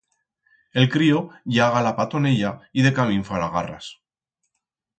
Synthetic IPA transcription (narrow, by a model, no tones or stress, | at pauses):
e̞lkɾioʝaɣalapat̪o̞neʎaiðe̞kaβiɱfalaɣara̰s